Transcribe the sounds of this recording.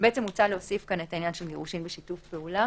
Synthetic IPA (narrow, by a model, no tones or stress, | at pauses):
beet͡se̞mut͡saleosifkanetainjanʃelɡeʁuʃimbeʃitufbeula